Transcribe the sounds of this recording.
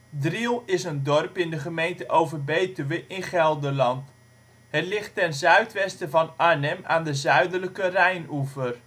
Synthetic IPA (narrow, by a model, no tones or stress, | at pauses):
drilˠɪsəndɔrpɪndəχəmejntəʔowvərbejtəʋəʔɪnχɛlˠdəlɑnt | hətlɪχtːɛnzœɥtʋɛstəvɑnanɛmaːndəzœɥdələkərɛjnuvər